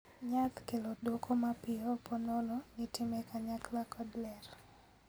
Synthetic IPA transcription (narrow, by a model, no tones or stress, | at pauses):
ɲakkelodokʰomapɪɔpɔnɔlɔnɪtɪmekaɲaklakɔdlɛr